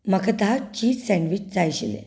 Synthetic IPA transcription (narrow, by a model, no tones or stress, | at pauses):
məkʰət̪at͡ɕiːsɛ̃ɳɖʋit͡ɕd͡zajɕilḛ